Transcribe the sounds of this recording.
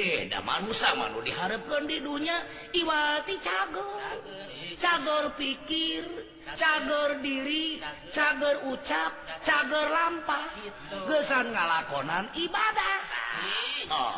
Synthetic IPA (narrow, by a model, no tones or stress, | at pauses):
eda̰ma̰nusama̰nṵdiɦaɾəp̚kəndiduɲa | iwat̪it͡ʃaɡɔr | t͡ʃaɡərpikir | t͡ʃaɡɔrdiɾi | t͡ʃaɡɔrut͡ʃap̚t͡ʃaɡɔrlampah | ɡəsanŋalakɔnanibadah | ɔ̰